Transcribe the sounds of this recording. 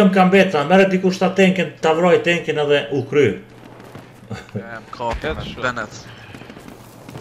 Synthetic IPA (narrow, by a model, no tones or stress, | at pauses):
ɔmkambɛt̪amɛɾɛd̪ikuʃt̪at̪ɛŋkɛnt̪avɾɔjt̪ɛŋkɛnɛðɛʔukɾy | bɛnɛt̪